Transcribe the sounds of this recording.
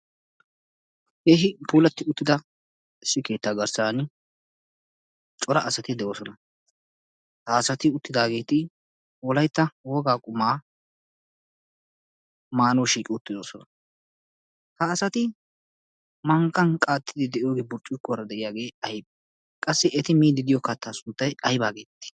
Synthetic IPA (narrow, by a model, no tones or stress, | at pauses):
heːɦɪpuːlɐt̪ːɪʊt̪ːɪd̪ɐ | ɪsːɪke̞ːt̪ːaːɡɐɾsaːn | t͡ʃʼɔɾɐɐsɐt̪ɪd̪ɛʔoːsɔnɐ | hɐːsɐt̪ɪʊt̪ːɪd̪aːɡe̞ːt̪ɪ | wɔlɐjt̪ːɐwɔɡaːkʼʊmaː | maːnɔːʃiːkʼɪʊt̪ːɪd̪oːsɔnɐ | hɐːsɐt̪ɪ | mɐŋkːɐnkʼaːt̪ːɪd̪ɪd̪ɛʔɪjoːɡeːbʊɾt͡ʃʼːɪkːʊɾɐd̪ɛʔɪjaːɡe̞ːɐjb | kʼɐsːɪʔɛt̪ɪmiːd̪ɪd̪ɪjɔkɐt̪ːaːsʊnt̪ːɐjɐjbaːɡe̞ːt̪ːɪ̥